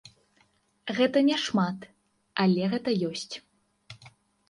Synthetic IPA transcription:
ɣɛt̪ɐnʲɛʂmat̪ | alʲɛɣɛt̪ɐjɔsʲt͡sʲ

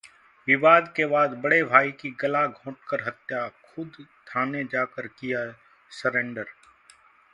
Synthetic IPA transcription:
ʋɪʋaːd̪kebaːd̪bəɽebʱaːikiɡɐlaɡʱõːʈkəɾɦət̪jakʰʊd̪t̪ʰaːned͡ʒaːkəɾkija | səɾẽːɳɖəɾ

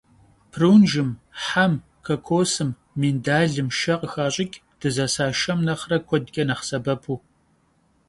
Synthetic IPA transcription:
pʰruːnʒɨmħam | kʰɐkʷʰoːsɨmː | indaːɮɨmʃɐqʼəxaːɕʼɪkʲʼd̥ɨzɐsaːʃɐmnɐχrɐkʷʰɔdɡʲʼɐnɐχsɐbɐpʰuː

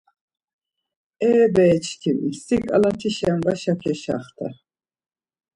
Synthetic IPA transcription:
ɛːbɛːt͡ʃʰkʰimsikʼa̰lat̪ʰiʃamvaʃakʰɛʃa̰χt̪ʰa

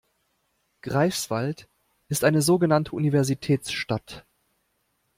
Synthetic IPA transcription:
ɡ̥ʁaɪsv̥alt | ʔɪstʔaɪnəzoːɡənantʰəʔunivɛɐzitʰɛːt͡sʃtat

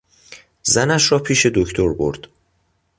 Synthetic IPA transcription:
zænæʃɾɒːpʰiːʃe̞d̪ocʰt̪ʰo̞ɾbo̞̰ɾd̪̥

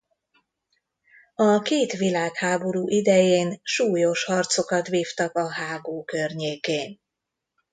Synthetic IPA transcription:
ɒkeːt̪ʋilaːkhaːbo̞ɾuːʔid̪ɛjeːnʃuːjo̞ʃhɒrt̪so̞kɒt̪ʋiːft̪ɒkɒɦaːɡoːkørɲeːkeːn

